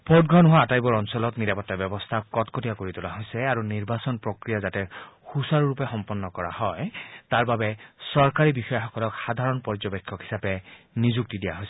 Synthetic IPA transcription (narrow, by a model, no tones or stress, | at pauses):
pʰɔdɡɹɔnʊɦaːtajbɔɹɔnsɔlɔtniɹapɔtːabɔbɔstʰakɔtkotijakoɹitʊlaɦojsɛaɹuniɹbasɔnpɹokɹijazatɛxusaɹuɹupɛxɔmpɔnːɔkɔɹa̰hɔjtaɹbabɛsɔɹkaɹibixɔjɔxɔkɔlɔkxad̪ʱaɹɔnpɔɹzɔbekʰːɔkɦhi̥sapɛ | nizuk̚tidija̰ɦojsɛ